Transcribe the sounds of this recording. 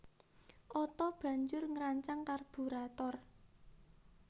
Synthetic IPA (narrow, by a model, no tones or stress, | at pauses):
ʔɔt̪ɔb̥ä̤ɲd͡ʒʊrŋɾaɲt͡ʃaŋkarb̥ṳɾat̪ɔr